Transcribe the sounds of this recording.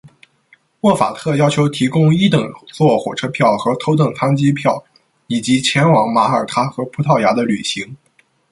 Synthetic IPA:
mwɔ˥˩fa̰˨˩t̪ʰɤ˥˩jɑ˥ʊt͡ɕʰjo˧˥ʊt̪ʰi˧˥kʊ˥ŋi˥t̪ɤ˨˩ŋt͡swɔ˥˩xwɔ̰˨˩ʈ͡ʂʰɤ˥pʰjɑ˥˩ʊxɤ˧˥t̪ʰo˧˥ʊt̪ɤ˥˩ŋt̪ʰa˥nt͡ɕi˥pʰjɑ˥˩ʊ | i˨˩t͡ɕi˧˥t͡ɕʰjɛ˧˥nwɑ˧˥ŋma˧˥ə˞˨˩t̪ʰa˥xɤ˧˥pʰu˧˥t̪ʰɑ˥˩ʊja˧˥d̪ə˧ly˨˩ɕi˧˥ŋ

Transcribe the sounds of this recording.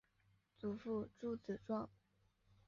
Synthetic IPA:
t͡su˨˩fu˥˧ʈ͡ʂu˥˩t͡sɹ̩˨˩ʈ͡ʂwɑ˥˩ŋ

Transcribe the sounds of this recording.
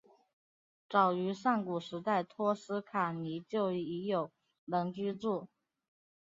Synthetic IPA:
ʈ͡ʂɑ˨˩ʊy˧˥ʂa˥˩ŋku˨˩ʂɻ̩˧˥t̪a˥˩ɪt̪ʰwɔ˥sɹ̩˥kʰa˨˩ni˧˥t͡ɕjo˥˩ʊ˥˩i˧˥jo˨˩ʊ | lɤ˧˥ŋt͡ɕy˥ʈ͡ʂu˥˩

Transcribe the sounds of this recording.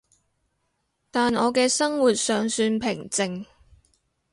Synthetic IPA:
t̪aː˨nɔː˨˧kɛː˧sɐ˥ŋwu˨t̚sœː˨ŋsyː˧npʰɪ˨˩ŋt͡sɪ˧ŋ

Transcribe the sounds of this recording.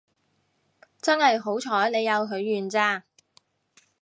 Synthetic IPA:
t͡sɐ˥nhɐ˨jɦo˨˥wt͡ʃʰɔː˨˥jne˨˧jːɐ˨˧wɦɵ˨˧˥ɥːyː˨˩nt͡saː˧

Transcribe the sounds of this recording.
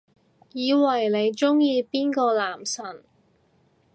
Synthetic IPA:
jiː˨˧wɐ˨˩jle˨˧jt͡sʊ˥ŋjiː˧piː˥nkɔː˧laː˨˩msɐ˨˩n

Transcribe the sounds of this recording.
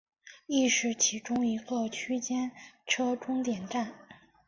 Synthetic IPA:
i˥˧ʂɻ̩˥˩t͡ɕʰi˧˥ʈ͡ʂʊ˥ŋi˧˥ɡə˧t͡ɕʰy˥t͡ɕjɛ˥nʈ͡ʂʰɤ˥ʈ͡ʂʊ˥ŋt̪jɛ˨˩nʈ͡ʂa˥˩n

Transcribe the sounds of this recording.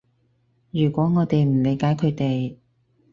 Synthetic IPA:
jyː˨˩kwɔː˨˥ŋɔː˨˧t̪e˨jm̩˨˩le˨˧jkaː˨˥jkʰɵ˨˧ɥt̪e˨j

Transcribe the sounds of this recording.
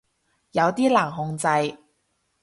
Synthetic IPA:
jɐ˨˧wt̪iː˥laː˨˩ŋɦʊ˧ŋt͡sɐ˧j

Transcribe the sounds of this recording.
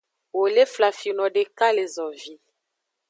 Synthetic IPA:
wo˨le˦fla˨fi˨nɔ˨de˨ka˦le˨zɔ˨vi˦

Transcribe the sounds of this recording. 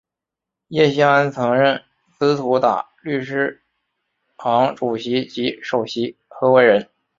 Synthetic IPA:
jɛ˥˩ɕi˥ŋa˧˥nt͡sʰɤ˧˥ŋɻə˥˩n | sɹ̩˥t̪ʰu˧˥t̪a̰˨˩ly˥˩ʂɻ̩˥ | xɑ˧˥ŋʈ͡ʂu˨˩ɕi˧˥t͡ɕi˧˥ʂo˨˩ʊɕi˧˥xɤ˧˥we˧˥ɪɻə˧˥n

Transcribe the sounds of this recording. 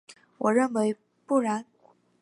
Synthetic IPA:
wɔ˨˩ɻə˥˩nwe˧˥ɪ | pu˥˩ɻa˧˥n

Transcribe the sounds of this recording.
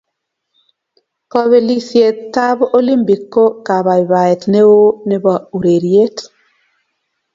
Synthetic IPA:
kɔ˦βɛ˨li˦sje˨ttːa˦bʔo˦li˦mbi˨kːo˦ka˨βa˨i˨ba˨ɛ˨tne˦wo˦ne˦ba˨u˨ɾe˨ɾje˦t

